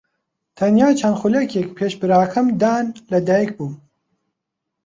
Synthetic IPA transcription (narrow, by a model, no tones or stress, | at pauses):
t̪ʰɐnjaːt͡ʃʰanxulɐkekpʰeːʃbɨɾaːkʰɐmd̪aːnlɐd̪aːjɛk̚buːm